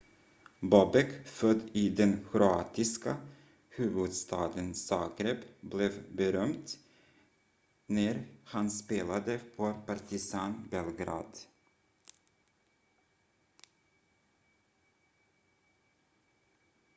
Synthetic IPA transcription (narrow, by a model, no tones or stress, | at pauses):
bɔbɛkfœd̪iːd̪ɛnkʰɾʊɑ̰ːt̪ɪskə | hʉːvɵd̪st̪ʰɑːd̪ənsɑːɡɾɛpblɛvbəɾœmt̪ | næɾhɑnspeːlad̪əpʰopɑɾt̪ɪsɑːnbɛlɡɾɑ̰ːd̪